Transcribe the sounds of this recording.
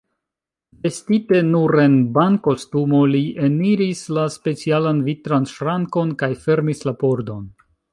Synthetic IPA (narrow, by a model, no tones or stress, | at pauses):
ve̞stite̞nuɾenbanko̞stumo̞liʔeniɾislaspe̞t͡sialanvitɾanʃɾaŋko̞nkajfe̞ɾmislapo̞ɾdo̞n